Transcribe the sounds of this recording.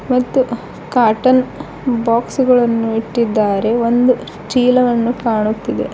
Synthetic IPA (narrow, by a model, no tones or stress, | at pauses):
mɐt̪ːu | kaːɾʈɐn | baːksuɡɐɭɐnːuiʈːid̪ːaːɾe̞o̞nd̪u | ʈiːlɐʋɐnːukaːɳut̪ːid̪e̞̰